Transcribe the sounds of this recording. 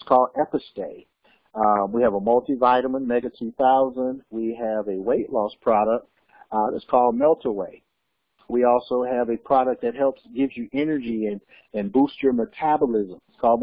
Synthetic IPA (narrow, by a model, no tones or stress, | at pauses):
skʰɔlˠdɛpɨsteɪ | wiɨvəmʌlˠtivaɪɾəmə̃nmɛɡɨtʰʉθaʊzə̃ndwiɨvɨweɪʔˡlɔspʰɹ̥ɑɾək̚t̚ | ðɨ̰tskʰɔlˠd̚mɛlˠtʰəweɪ | wiɔlˠsoʊɨvɨpʰɹ̥ɑɾək̚ðɨt̚ɦɛlˠpsɡ̥ɪvzjɨʔɛnə˞d͡ʒiɨ̃n | ɨ̃nbust͡ʃə˞mɨkʰæbəl̩ˠɪzə̃mɨtskʰɔlˠd̚